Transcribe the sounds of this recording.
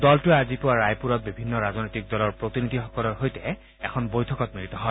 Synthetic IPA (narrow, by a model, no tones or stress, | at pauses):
dɔltʊɛazipʊwaɹajpuɹɔt̚bibʱinːɔɹaznojtik̚dɔlɔɹpɹot̪inid̪ʱixɔkɔlɔɹɦojtɛ | ɛkʰɔnbojtʰɔkɔt̚miɹit̪ɔɦɔ